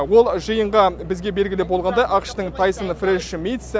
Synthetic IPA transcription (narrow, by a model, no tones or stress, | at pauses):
wo̞lˠʒəjəɴʁɑbɪzɡʲe̞be̞lɡʲɪlɪbo̞lˠʁɑnd̪ɑjʔɑqʃt̪əɴt̪ʰɑjsənfɾeʃmʲijt̪s